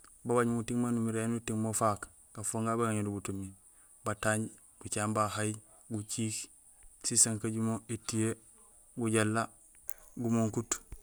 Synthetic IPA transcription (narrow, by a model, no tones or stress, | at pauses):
baβaɲmutiŋmanumiɾenutiŋmofak | kafoːŋɡabaŋaɲodubutumi | bataɲɟ | ɡ̥ut͡ʃaːmbaɦaj | ɡut͡ʃiːk | sisaŋkaɟumoetije | ɡuɟalːa | ɡumoŋkut